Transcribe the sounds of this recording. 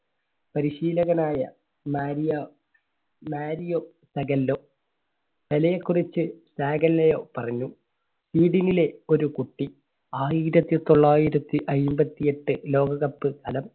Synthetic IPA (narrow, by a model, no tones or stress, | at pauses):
pɐɾiɕiːlɐɣɐnaːjɐ | maːɾijɐ | maːɾijoː | sɐɡɐlːoː | ʋelɐjekːurit͡ɕːɨsaːɡɐlːɐjo̞ːpɐrɐɲːu | siːɽinile̞o̞ɾukuʈːi | aːjiɾɐt̪ːit̪o̞ɭːaːjiɾɐt̪ːiʔɐjmbɐt̪ːije̞ʈːɨlo̞ːɡɐɣɐpːɨkɐlɐm